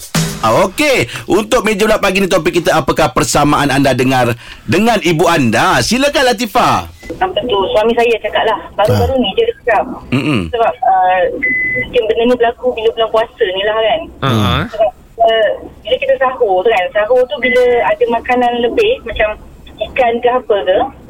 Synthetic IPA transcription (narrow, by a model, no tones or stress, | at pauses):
ʔaokeʔunt̪ʊk̚med͡ʒəlapaɡinĩt̪̬op̬ɪkːit̪əapəkahpərsamaʔanandadəŋardəŋãnibuandasiləkanlat̪ifasampət̪usuamĩsajat͡ʃakaʔ̪̚lahbaɾubaɾunĩd͡ʒ̪ədikkapm̩m̩səbap̚ə | mũŋkɪnbənənibəlakubiləbulaŋkuasənĩlahkansəbap̚ | əbiləkit̪əsaɦokansaɦot̪ubiləadəmakananləbɪhmat͡ʃam | ikankəɦapəkə